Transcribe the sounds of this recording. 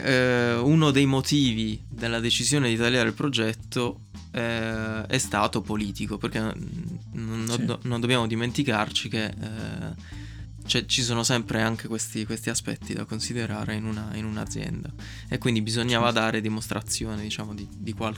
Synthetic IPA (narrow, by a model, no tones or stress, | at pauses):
unod̪ejmot̪iːvid̪elːad̪et͡ʃizjoːned̪it̪alːjaːɾeilpɾod͡ʒɛt̪ːo | ɛɛst̪aːt̪opoliːt̪ikoperk̟e | nːnond̪objaːmod̪iment̪ikart͡ʃike | t͡ʃɛt͡ʃisoːnosɛmpɾeaŋk̟ekwest̪ikwest̪iaspɛ̰t̪ːid̪a̰konsid̪eɾa̰ːɾeinunainuna̰d̪zːjɛ̰nd̪a | ekːwind̪ibizoɲːaːvad̪aːɾed̪imost̪ɾʔat̪sːjoːned̪it͡ʃaːmod̪id̪ikwal